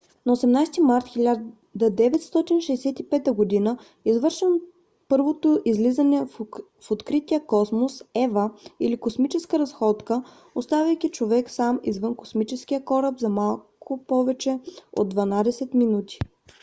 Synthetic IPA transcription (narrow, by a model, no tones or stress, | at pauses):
nɐosɛmnajst̪imaɾt̪xʲilʲa | d̪ɐd̪ɛvɛt̪st̪ɔt̪inʃɛjsɛt̪ipɛt̪əɡod̪inə | izvɤɾʃən | pɤɾvot̪oʔizlizɐnɛ | fot̪kɾit̪ijəkɔsmosɛvəilikosmit͡ʃɛskəɾɐsxɔt̪kə | ost̪avʲɐjk̟ʲit͡ʃovɛksamizvɤnkosmit͡ʃɛskʲiəkɔɾəbzɐmalˠkʰʊpɔvɛt͡ʃɛo̰d̪ːvɐnad̪ɛsɛt̪minut̪i̥